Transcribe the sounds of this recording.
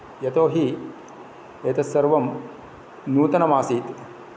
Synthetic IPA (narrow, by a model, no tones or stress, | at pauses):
jɐt̪oːɦi | eːt̪ɐsɐɾʋɐm | nuːt̪ɐnɐmaːsiːt̪